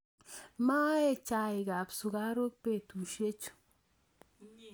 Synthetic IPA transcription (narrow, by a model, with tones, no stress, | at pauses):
ma˦ɛ˦t͡ʃa˦ɪ˨ɡa˨psu˨ɡa˦ɾo˦k̚pe˦˨tu˨ʃe˦t͡ʃo̥˨